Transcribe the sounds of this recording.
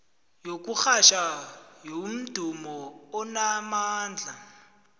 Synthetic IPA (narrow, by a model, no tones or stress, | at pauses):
jok̬ʼuk͡xaʃajom̩d̥ʱumɔʊnamaːnd͡ɮʱa̰